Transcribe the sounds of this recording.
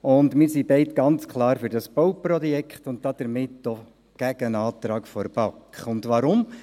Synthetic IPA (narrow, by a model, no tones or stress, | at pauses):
ʊndmɪɾsibɛɪtɡ̥ɑnt͡skʰlˠɑːɾfyɾd̥ɑsb̥owprɔjɛkχtʊnt̚d̥ɑd̥əɾmɪtːɔ | ɡ̥æɡ̥ənɑːt̪ɾɑːkfɔɾb̥ɑkχʊndʋɑɾʊm